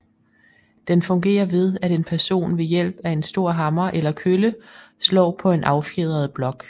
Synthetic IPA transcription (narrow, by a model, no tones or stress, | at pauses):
d̥enfɔ̽ŋɡ̥e̝̰ːɐʋe̝ð̞ˠæɾe̝npʰæɐso̝̰ːnʋe̝jel̰b̥æe̝nsd̥o̝ɐ̰ɦɑ̈mɐʔelɐkʰøləslɒ̰̽ːpʰɒ̽e̝nʔɑ̈ʊfeðˠɐð̞̩ˠb̥lɒ̽ɡ̥